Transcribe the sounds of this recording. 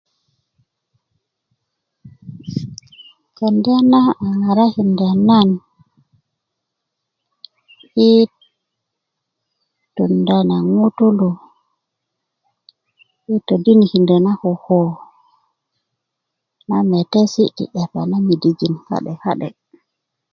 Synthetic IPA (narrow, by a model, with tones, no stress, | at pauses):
ka˨nda˦na˦a˨ŋa˨ɾa˦hi˨ndɛ˨na˦n | ʔi˦ | tu˨nda˨na˨ŋu˦tu˦lu˨ | i˦to˨di˦nihi˨ndɛ˨na˦hɔ˨hɔ˨ | na˦mɛ˨te˦si˦tḭ˨ɗɛ˨pa̰˨na˦mi˨di˨ɡi˨nha̰˦ɗɛ˨ha̰˦ɗɛ̰˨